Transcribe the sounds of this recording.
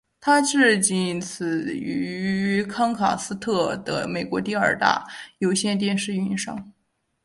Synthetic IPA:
t̪ʰa˥ʈ͡ʂɻ̩˥˩t͡ɕi˥˩nt͡sʰɹ̩˨˩y˧˥˧kʰɑ˥ŋkʰɑ̰˨˩ŋsɹ̩˥t̪ʰɤ˥˩d̪̥ə̰˩me˨˩ɪkwɔ˧˥t̪i˥˧ə˞˥˩t̪a̰˥˩jo˧˥ʊɕjɛ˥˧nt̪jɛ˥˧nʂɻ̩˥˧y˥˩i˧˥nʂɑ̰˥ŋ

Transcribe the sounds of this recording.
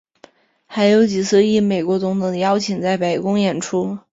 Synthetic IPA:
xa˧˥ɪjo˧˥ʊt͡ɕi˨˩t͡sʰɹ̩˥˧i˥˩me˨˩ɪkwɔ˧˥t͡sʊ˧˥ŋt̪ʰʊ˧˥˩ŋd̪ə˧jɑ˥ʊt͡ɕʰi˨˩ŋt͡sa˥˩ɪpe˨˩ɪkʊ˥ŋjɛ˨˩nʈ͡ʂʰu˥

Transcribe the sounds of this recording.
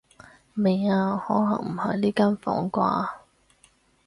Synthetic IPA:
me˨˩jaː˧hɔː˨˥lɐ˨˩ŋm̩˨˩hɐ˨˩jliː˥kaː˥nfɔ̰ː˨˥ŋkʷa̰ː˧

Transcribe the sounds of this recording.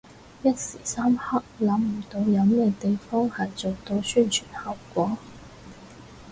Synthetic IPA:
jɐ˥t̚si˨˩sa˥mha˥k̚la˨˥ŋm̩˨˩t̪o˨˧˥wjɐ˧˥wmɛ˥˧˩t̪e˨˥ɪfɑ˥ŋha˨˧˥jt͡so˨˩wt̪o˧˥ɕy˥˩nt͡ʃʰy˨˩nhɑ˨˩ʊwkwɔ˨˥

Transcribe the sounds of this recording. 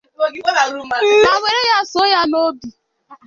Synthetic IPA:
a˨we˨ɾe˦ja˦˨so˦ja˦no˦du˨

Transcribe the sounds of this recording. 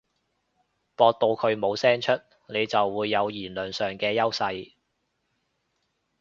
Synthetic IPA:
pɔː˧k̚t̪o˧wkʰɵ˨˧ɥmo˨˧wsɛː˥ŋt͡ʃʰɵ˥t̚ | ne˨˧jt͡sɐ˨wːuː˨˧jːɐ˨˧wjiː˨˩nlɵː˨nsœː˨˩ŋkɛː˧jɐ˥wsɐ˧j

